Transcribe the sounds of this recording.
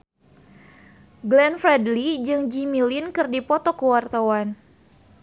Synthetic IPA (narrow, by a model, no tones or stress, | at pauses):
ɡlɛnfɾɛdlid͡ʒɨŋd͡ʒimilinkɨrdipɔt̪ɔkəwart̪awan